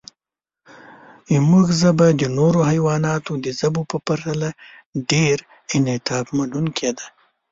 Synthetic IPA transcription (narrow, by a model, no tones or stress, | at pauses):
muɡzabad̪ənoɾohajwɑnɑt̪od̪əzabopəpaɾt̪ala | ɖeɾ | ɪnɪt̪ɑbmanunkʰed̪a